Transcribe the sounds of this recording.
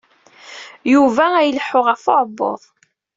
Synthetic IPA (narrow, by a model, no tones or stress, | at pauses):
juvææjəlħːʊʁæfoʕbːo̰ðˤ